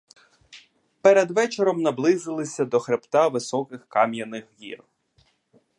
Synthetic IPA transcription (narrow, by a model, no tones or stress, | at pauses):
peɾed̪ʋɛt͡ʃeɾɔmnɐblˠɪzɪlˠɪsʲɐd̪ɔxɾept̪ɑʋɪsɔkɪxkɑmjɐnɪxɣʲḭr